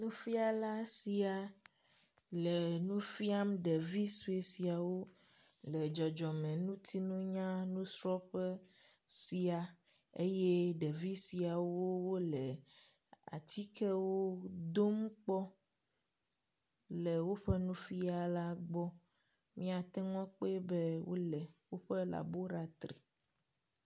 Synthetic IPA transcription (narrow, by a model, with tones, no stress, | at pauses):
nũ˦fi˦a˨la˦si˨a˨ | lɛ˨nũ˦fi˦a˦mɖe˨vi˦su˦e˨si˨a˨wo˦ | lɛ˨d͡ʒɔ˨d͡ʒɔ˨mɛ̃˨nũ˦t̪ʰi˦nũ˦ɲã˦nũ˦sɾɔ˦ɸɛ˦ | si˨a˨ | e˦je˦ɖɛ˨vi˦si˨a˨wo˦wo˦lɛ˨ | a̰˨t̪ʰi˦kɛ˦wo˦d̪o˦m˦k͡pɔ˦ | lɛ˨wo˦ɸɛ˦nũ˦fi˦a˨la˦ɡ͡bɔ˦ | mĩ˦a˨t̪ɛ˦ŋɔ̃˦k͡pe˦bɛ˦wo̰˦lɛ˨wo˦ɸɛ˦la̰˨bo˦ɾa˦t̪ɾḭ˨